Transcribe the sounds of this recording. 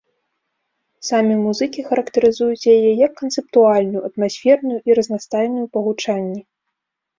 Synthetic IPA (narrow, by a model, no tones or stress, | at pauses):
samʲimuzɨkʲixɐɾɐkt̪ɐɾɨzujut͡sʲjajɛjɐkːɐnt̪sɨp̚t̪ualʲnujuɐt̪masʲfʲɛrnujuʔiɾɐznast̪ajnujupɐɣut͡ʂanʲːɛ